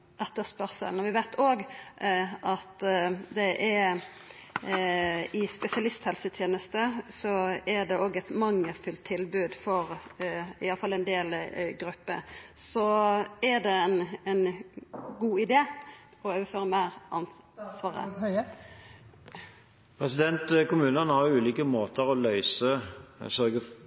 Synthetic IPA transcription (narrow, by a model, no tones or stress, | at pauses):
ɛt̪ːəspœʁsə̰lnɔʋɪʋæɪt̪ʰoːɡ | ʔɑt̪d̪ɛʔɛɾ | ɪspɛsɪɑlɪst̪hɛlsət̪ʰjeːnəst̪əsɔɛd̪ɛʔoːɡɛt̪mɑŋːəfʉlt̪ʰːɪlbʉːd̪fɔɾ | ɪ̰jɑlːəfɑlːɛnd̪eːlɡɾʉpːə̰sɔæd̪ɛɛnɛn | ɡuːɪd̪eː | ɔøːʋəføːɾəmæːɾʔɑnsʋɑːʁə̰ | pʰʁɛsɪd̪ɛnt̪kʊmʉːnənhɑʁjʊʉːliːkəmoːt̪əʁɔlœʏsəsœʁɡə